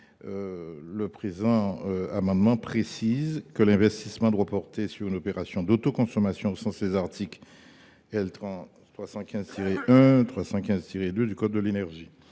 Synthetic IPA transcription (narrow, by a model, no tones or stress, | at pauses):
øləpχezɑ̃øamɑ̃d̪mɑ̃pχesizkəlɛ̃vɛst̪ismɑ̃d̪wapɔʁt̪esyʁynopeʁasjɔ̃d̪ot̪okɔ̃sɔmasjɔ̃osɑ̃sd̪ezaʁt̪ʰik | ɛlt̪χɑ̃ | t̪χwasɑ̃kʲɛ̃zt̪iʁeʔɛ̃t̪χwasɑ̃kʲɛ̃zt̪iʁed̪ød̪ykɔt̪̚d̪əlenɛʁʒi